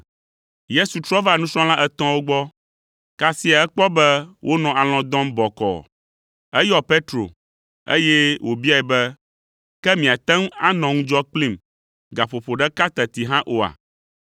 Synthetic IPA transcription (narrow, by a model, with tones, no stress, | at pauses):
je˦su˨t̪ɾɔ˦va˦˨nũ˦sɔ̃˦l̃ã˦ʔɛ˦t̪ɔ̃˦wo˦ɡ͡bɔ˦ | ka˦si˦a˨ɛ˦k͡pɔ˦bɛ˦wʔo˦nɔ̃˨a˨l̃ɔ̃˨d̪ɔ̃˦mbɔ˨kɔ̰˨ | ɛ˦jɔ˦pe˦t̪ɾo̰˨ | ḛ˦jɛ˦wʔo˨bi˦a˦˨ɛ˨bɛ˦ | kɛ˦mĩ˨a˨t̪ɛ̃˦ŋ˦a˦nɔ̃˨ŋũ˦d͡ʒɔ˦k͡plĩ˦m | ɡa˨ɸo˨ɸo˨ɖɛ˦ka˦t̪ɛ˨t̪i˨ɦã˦ʔo˨a̰˨